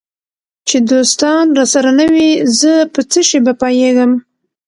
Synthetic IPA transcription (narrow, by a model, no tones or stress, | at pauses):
t͡ʃed̪ost̪ɑnɾɑsaɾanawizəpət͡səʃebapɑjeɡəm